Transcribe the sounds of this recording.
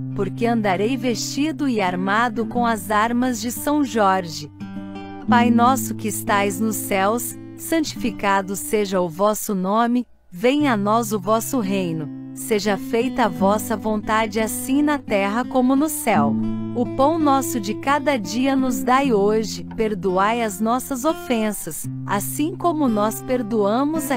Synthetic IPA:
poɾkeɐ̃nd̪aɾejvest͡ʃid̪ʊɪaɾmad̪ʊkõw̃ɐzaɾmɐzd͡ʒɪsɐ̃w̃ʒɔɾʒɪ | pajnɔsʊkɪɪst̪ajznʊsɛwsː | ɐ̃nt͡ʃi̥fikad̪ʊseʒɐʊvɔsʊnõmɪ | vẽj̃ɐnɔzʊvɔsʊɦejnʊ | seʒɐfejt̪ɐːvɔsɐvõnt̪ad͡ʒɪasĩnɐt̪ɛɦɐkõmʊnʊsɛwʊpɐ̃w̃nɔsʊd͡ʒɪkad̪ɐd͡ʒiɐnʊzd̪ajoʒɪpeɾd̪uajɐznɔsɐzofẽsɐs | a̰sĩkõmʊnɔspeɾd̪uɐ̃mʊzɐ

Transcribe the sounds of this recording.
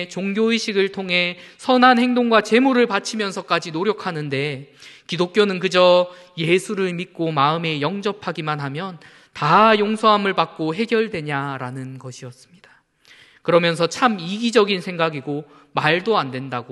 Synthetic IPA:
t͡ɕoŋɡjoiɕʰiɡɯɭtʰoŋɦe̞sʰʌnɦanheŋdoŋɡwat͡ɕe̞muɾɯɭpat͡ɕʰimjʌnsʰʌk͈ad͡ʑinoɾjʌkʰanɯnde̞kidok͈̚jonɯnkɯd͡ʑʌ | je̞sʰuɾɯɭmit̚k͈omaɯme̞jʌŋd͡ʑʌpʰaɡimanɦamjʌn | tajoŋsʰʌɦamɯɭpak̚k͈oɦe̞ɡjʌɭdwe̞ɲaɾanɯnɡʌɕʰiʌs͈ɯ̥mɲid̥ḁ | kɯɾʌmjʌnsʰʌt͡ɕʰamiɡid͡ʑʌɡinsʰe̞ŋɡaɡiɡo | maɭdoandwe̞ndaɡo

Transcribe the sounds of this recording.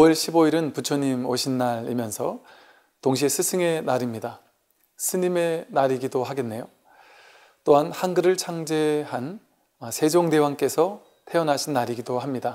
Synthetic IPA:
oʌɭɕʰiboiɾɯnput͡ɕʰoɲimoɕʰinːaɾḭmjʌnsʰʌ | toŋɕ̬ʰiesʰɯsʰɯŋe̞naɾimɲida | sʰɯɲime̞naɾiɡidohaɡe̞nːe̞jo | t͈oɦanhanɡɯɾɯɭt͡ɕʰaŋd͡ʑehan | ʌsʰe̞d͡ʑoŋde̞waŋk͈e̞sʰʌ | tʰe̞ʌnɦaɕʰinːaɾiɡidohamɲida

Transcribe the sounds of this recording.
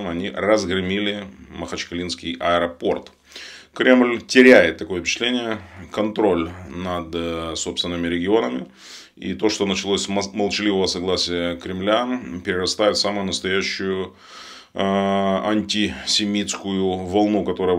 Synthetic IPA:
mɐnʲirəzɡɾɨmʲilʲɪməxɐt͡ɕkɐlʲinskʲɪjʔɐəɾɐpo̞rt̪ | kɾʲe̞mlʲtʲɪɾʲæjɪt̪ːɐko̞jəfʲpʲɪ̥t͡ɕɪ̥t̪lʲenʲɪjəkɐnt̪ɾo̞lʲnɐd̪so̞pst̪vʲɪnːɨmʲɪɾʲɪɡʲɪo̞nəmʲɪ | ḭt̪o̞ʂt̪o̞nət͡ɕɪlˠosʲməlˠt͡ɕɪlʲivəvəsɐɡlˠasʲɪjəkɾʲɪmlʲapʲɪɾʲɪrɐst̪ajʊt̪samʊjʊnəst̪ɐjæɕːʊjʊ | ɐnʲtʲɪsʲɪmʲit̪skʊjʊvɐlˠnukɐt̪o̞ɾəjə

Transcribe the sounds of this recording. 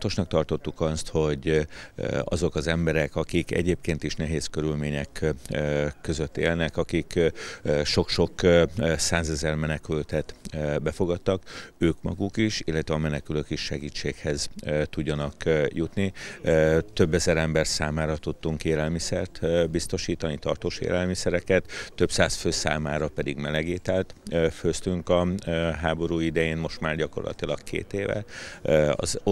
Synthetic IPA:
t̪o̞ʃnɒkt̪ɒrt̪o̞t̪ːukɒst̪ho̞ɟ | ɒ̰zo̞kɒzɛmbɛɾɛkɒkikɛ̰ɟeːp̚keːnt̪iʃnɛɦeːskø̞ɾylmeːɲɛk | kːø̞zø̞t̪ːḛːlnɛkɒkikː | ʃo̞kʃo̞ksaːzɛzɛrmɛnɛkylt̪ɛt̪ːbɛfo̞ɡɒt̪ːɒkøːkmɒ̰ɡukiʃḭlːɛt̪ʋɛɒmɛnɛkyløkiʃʃɛɡiːt͡ʃːeːkhɛzt̪uɟːɒnɒkjut̪ni | t̪ø̞bːɛzɛɾɛmbɛrsaːmaːɾɒt̪ut̪ːuŋkeːlɛlmisɛrt̪bist̪o̞ʃiːt̪ɒnit̪ɒrt̪oːʃḛːlɛlmisɛɾɛkɛt̪ːø̞psaːsføːsa̰ːmaːɾɒpɛd̪iɡmɛlɛɡeːt̪ɛlt̪ːføst̪yŋkɒɦaːbo̞ɾuːid̪ɛjeːnmo̞ʃt̪maːrɟɒko̞̰rlɒ̰t̪ilɒkkʰḛːt̪eːvɛ̰ | ɒ̰z

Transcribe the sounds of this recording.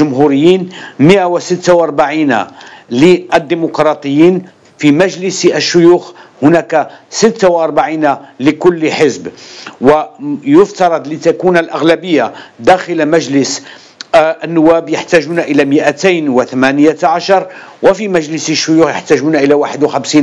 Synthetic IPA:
ʒʊmɦuɾɪjːiːnməʔawsət̪ːawʔɑɾˤbaʕiːna̰liʔəd̪ːimʊkɾˤɑt̪ˤəjːiːn | fimæʒləsʔəʃːʊjuːxhʊnækasət̪ːawʔɑɾˤbaʕinaləkʊlːħəzbwæjʊft̪ɑɾˤɑd̪ˤlit̪ækunəlʔaɣlæbəjːad̪æxəlmæʒləs | ʔənːʊwːæbjaħt̪æʒunaʔəlæməʔæt̪ajnwət̪æmænəjaʕaʃɑɾˤwəfimæʒləsəʃːʊjuːxjaħt̪æʒunaʔəlæwaːħəd̪wxæmsiːn

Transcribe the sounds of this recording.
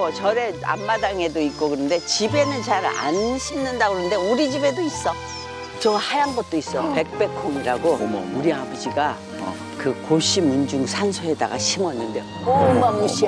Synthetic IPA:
t͡ɕʌɾe̞a̰mːadaŋe̞doik͈okɯnɯnde̞t͡ɕibe̞nɯnt͡ɕaɾa̰nɕʰimnɯndaɡoɯɯnde̞uɾid͡ʑibe̞dois͈ʌ | t͡ɕʌhajaŋɡʌt̚t͈ois͈ʌjope̞k̚p͈e̞kʰoŋiɾaɡo̰uɾiabd͡ʑiɡa | kɯkoɕʰimund͡ʑuŋsʰansʰʌe̞da̰ɡa̰ɕʰimʌnːɯnde̞jo | muɕi

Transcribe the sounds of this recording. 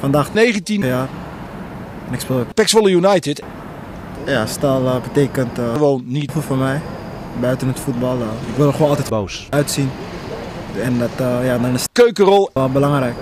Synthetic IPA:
fɑndaːxneːɣəntinjaːr | ɛnɪkspɪːlˠpɛksʋolˠəjunajtɪt | jastalˠəbəteːkəntʋoːnːitfəlˠfɔmɛj | bœɥtənɦətfut̚bɑlˠəɪkʋɪlˠχʋoːnɑlˠtɛtboːsœɥtsin | ɛndɔtjadɔnɪskøːkərɔlˠʋɛlˠbəlɑŋɾɛjk

